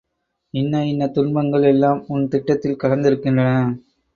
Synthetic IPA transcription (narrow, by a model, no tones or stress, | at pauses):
ɪnːɐɪnːɐt̪ʊnmɐŋɡɐɭɛlːaːmʊnt̪ɪʈːɐt̪ːɪlkɐɻɐnd̪ɪɾɯkːɪndrɐnɐ